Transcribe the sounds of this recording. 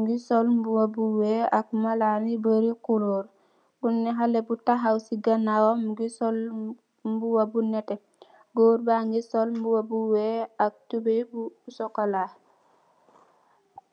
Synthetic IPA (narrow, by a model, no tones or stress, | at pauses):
ŋɡisɔlmbuwabuweak̚malanibəɾikuloɾ | bunːɛɦalebutaɦawsiɡanawomɡisɔl | mbuwabunɛtɛ | ɡoːɾbaŋɡisolmbuwabuweak̚tubebusokala